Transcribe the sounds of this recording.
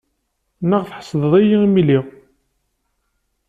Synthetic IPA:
nəʁθħə̥sˤðəðˤæjimiliʁ

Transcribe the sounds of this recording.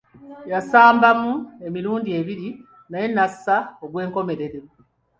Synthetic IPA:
jasaːmbamue̞miɾuːndie̞βiɾi | naje̞nːasaoɡwe̞ːŋko̞me̞ɾe̞ɾe

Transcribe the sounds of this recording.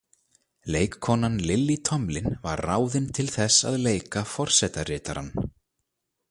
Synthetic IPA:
leːjkʰːɔːnanlɪlːit̪ʰɔmlɪnva̰ɾːaːwðɪnt̪ʰɪlθɛsa̰ðleːjkafɔr̥sɛt̪aɾrɪːt̪aɾanː

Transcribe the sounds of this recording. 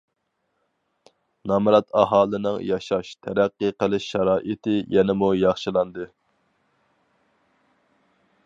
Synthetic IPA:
nɑmɾɑt̪ʰɑɦɑːlˠɨnɨŋjɑʃɑʃt̪ʰɛɾæqːəqəlˠɪʃːɑɾɑːʔɨt̪ɪjɛnɪmujɑχʃɨlˠɑnd̪ɨ

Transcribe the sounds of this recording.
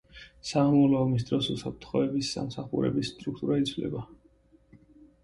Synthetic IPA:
samɔlɔːmis̬t̪ʼɾɔsusap̚ʰt̪ʰχɔɛbisːa̰msaχṵɾɛ̰bisːt̪ʼɾuk̚ʰt̪ʼuɾait̪sʰvlɛ̰ba

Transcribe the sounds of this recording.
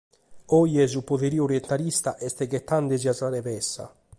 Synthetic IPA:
ɔjɛzupoðeɾioɾjɛnt̪aɾist̪aʔɛst̪ɛkɛt̪ːand̪eziasaɾɛpɛsːa̰

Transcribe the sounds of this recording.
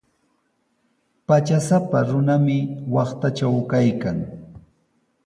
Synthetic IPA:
pat͡ʃasapaɾʊnamɪwɑχt̪at͡ʃawkajkaŋ

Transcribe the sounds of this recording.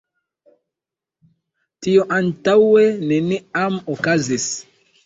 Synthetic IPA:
tioʔantaweneniamokazis

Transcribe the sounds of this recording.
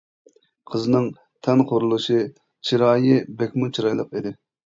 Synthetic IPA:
qʰəzɨnɨŋ | t̪ʰɛnqʰoɾulˠuʃɨ | t͡ʃʰiɾɑːjɨbɛkʲmut͡ʃʰiɾɑjlˠəqid̪ɪ

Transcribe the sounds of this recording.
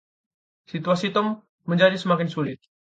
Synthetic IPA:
sit̪uasit̪əmː | əɲd͡ʒadisəmakɪnsulɪt̪̚

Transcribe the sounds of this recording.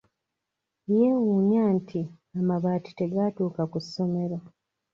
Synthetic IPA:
jewunjaːntʰi | amaβaːti̥te̞ɡatuːkakusːo̞me̞ɾo

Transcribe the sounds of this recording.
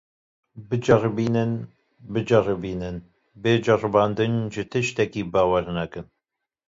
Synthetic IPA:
bɨd͡ʒɐrbiːnɨn | bɨd͡ʒɐrɨbiːnɨn | beːd͡ʒɐrɨbɑːnd̪ɨnʒɨt̪ʰɨʃt̪ɛkiːbɑːwɛɾnɐkɨn

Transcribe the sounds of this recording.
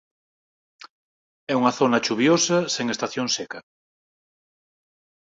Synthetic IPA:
ɛuŋɐθonɐt͡ʃuβjosɐseŋest̪aθjoŋsɛkɐ

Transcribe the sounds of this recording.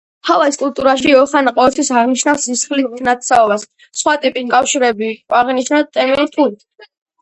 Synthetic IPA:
halaiskʼult̪ʼuɾaʃiɔχanaqʼɔvɛlt̪ʰwisaʁniʃnafsisχlit̪ʰnat̪saɔbasː | χwat̪ʼipʼikʼafʃiɾɛbiaʁiniʃnat̪ʼɛmiuɾt̪ʰut̪ʰ

